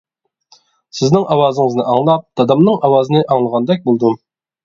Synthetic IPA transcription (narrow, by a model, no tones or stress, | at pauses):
sɪznɪŋʔɑwɑːzəŋəznɨʔɑŋlˠɑp̚d̪̥ɑd̪ɑmnɨŋɑwɑːzɨnɨʔɑŋlˠəʁɑnd̪ɛk̚ʲbolˠd̪ɨm